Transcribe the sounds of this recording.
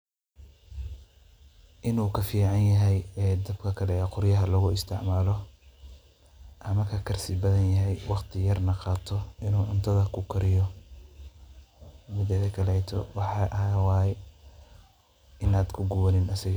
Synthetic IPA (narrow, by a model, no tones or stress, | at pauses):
ʔɪnuːkʰɐfiːʕɑnjɐɦɛjɛːd̪ɐbkʰɐkʰɐlɛːqʊɾjɐɦɐlɐɣʊɪst̪ʰɪʕmaːlɔ | ʔɐmɐkʰɐkʰɐrsɪbɐðɐnjɐɦɛjwɑqt̪ʰɪjɐrnɐqɑːt̪ʰɔʔɪnuːʕʊnt̪ʰɐðɐkʰʊkʰɐɾɪjɔ | mʊðɛðɐkʰɐlɛːt̪ʰɔ̰wɑħɑːʔɐwɑːjɛ | ʔɪnaːd̪kʰʊɡʊwɐnɪnɐsɪɣ